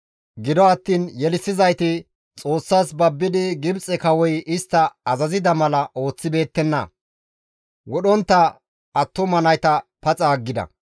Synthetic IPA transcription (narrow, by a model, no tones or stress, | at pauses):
ɡɪd̪ɔɐt̪ːiːnjɛlɪsɪzɐjt̪ɪ | t͡sʼo̞ːsːaːsbɐbːɪd̪ɪɡɪbt͡sʼɛkɐwɔjɪst̪ːɐɐzɐzɪd̪ɐmɐlɐʔo̞ːt͡sːɪbe̞ːt̪ːɛnːɐ̰ | wɔɗɔnt̪ːɐ | ɐt̪ːɔmɐnɐjt̪ɐpɐt͡sʼaːɡːɪd̪ɐ̰